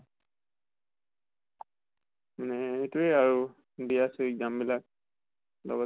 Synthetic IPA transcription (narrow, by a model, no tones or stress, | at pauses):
manɛhetueaɹu | dijasɔik̚dambilak̚ | lɔ̰ɡɔ